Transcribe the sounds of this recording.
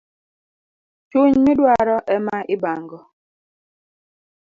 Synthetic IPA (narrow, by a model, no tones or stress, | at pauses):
t͡ʃuɲmidwaɾɔʔɛmaʔibaŋɡɔ